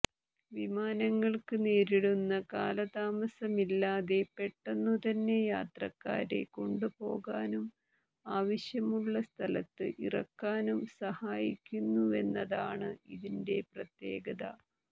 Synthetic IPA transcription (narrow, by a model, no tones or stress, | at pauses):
ʋimaːnɐŋːɐɭkɨneːɾiɽunːɐka̰ːlɐd̪aːmɐsɐmilːaːðe̞pe̞ʈːenːut̪ɐnːe̞jaːt̪rɐkːa̰ːɾḛko̞ɳɖupo̞ːɣaːnum | aːʋɐɕjɐmuɭːɐst̪ʰɐlɐt̪ːɨ̰ʔirɐ̰kːaːnumsɐhaːjikʲːunːue̞nːɐðaːɳɨiðinde̞prɐt̪je̞̰ːɡɐðɐ̰